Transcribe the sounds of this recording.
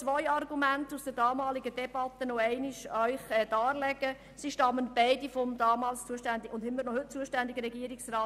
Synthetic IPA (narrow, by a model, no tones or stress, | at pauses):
t͡sʋɔjɑrɡumæntusd̥əɾdɑːmɑːlɪɡədɛb̥ɑtːənɔɛɪnɪʃœʏχɛːd̥ɑːlɛɡ̥ə | siʃtɑmːənb̥ɛɪdifɔmdɑːmɑːlst͡suəʃtænd̪ɪʊndhɪmːəɾnɔhɵt̚t͡suəʃtændɪɡəɾɛɡiəɾɪksraː